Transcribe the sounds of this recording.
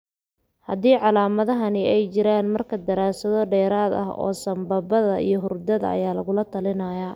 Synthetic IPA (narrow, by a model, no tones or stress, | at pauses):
hɐd̪iːʕɑlaːmɐðɐɦɐnɪɛjt͡ʃɪɾaːnmɐrkʰɐd̪ɐɾaːsɐðɔɖɛːɾaːd̪ɐ̰ɦɔ̰ːsɐmbɐbɐðɐʔḭjɞɦʊrd̪ɐðɐ̰ɐ̰jaːlɐɣʊlɐt̪ʰɐlɪnɐjaː